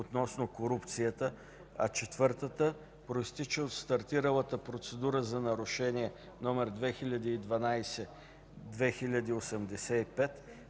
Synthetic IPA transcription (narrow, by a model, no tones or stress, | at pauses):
ot̪nɔsnokoɾupt̪sijət̪ə | ɐ̰t͡ʃɛt̪vɤɾt̪ət̪ə | pɾoist̪it͡ʃɛot̪st̪ɐɾt̪iɾəlˠət̪əpɾot̪sɛd̪uɾəzɐnɐɾʊʃɛniɛ | nɔmɛɾd̪vɛxilʲɐd̪iːd̪vɐnajsɛ | d̪vɛxilʲɐd̪iosɛmd̪ɛsɛipɛt̪